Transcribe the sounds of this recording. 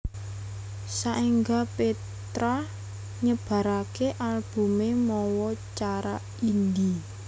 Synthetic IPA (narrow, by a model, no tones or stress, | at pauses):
saʔeŋɡape | t̪ɾa | ɲəb̥a̤ɾakeʔalb̥ṳmemɔwɔt͡ʃaɾa | ind̪i